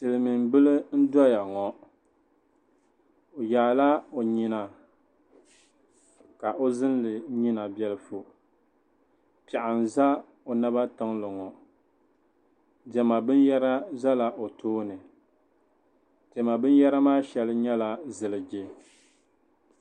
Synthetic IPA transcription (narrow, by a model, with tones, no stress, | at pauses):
tɨ˨lɨ˨mi˨m˨bɨ˦lɨ˦n̩˦dɔ˦ja˨ŋɔ˨ | o˨jaː˨la˦o˨ɲi˦na˨ | ka˨ʔo˦zɨ˦n˦lɨ˨ɲi˦na˨bjɛ˦lɨ˦fo˨ | pɛ˨ʔa˨n˨za˦ | o˨na˦ba˦tɨ˦ŋlɨ˨ŋɔ˨ | dɛ˨ma˨bɨ˦n˦jɛ˦ɾa˦za˦la˨ʔo˨tʰoː˦nɨ˨ | dɛ˨ma˨bɨ˦n˦jɛ˦ɾa˦maː˦ʃɛ˨lɨ˦ɲɛ˦la˨zɨ˨lɨ˨d͡ʒɪ˨